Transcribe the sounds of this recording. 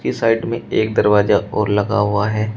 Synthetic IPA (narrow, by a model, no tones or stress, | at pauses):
kisaːɪɖmẽeːk̚d̪ɐɾʋaːzaʔɔːɾlɐɡa̰ɦʊaɦɛː